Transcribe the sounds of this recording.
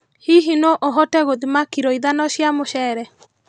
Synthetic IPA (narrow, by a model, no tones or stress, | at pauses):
hiɦinɔʔoɦɔtɛɣoðimakiɾɔiðanɔɕjamoɕɛɾɛ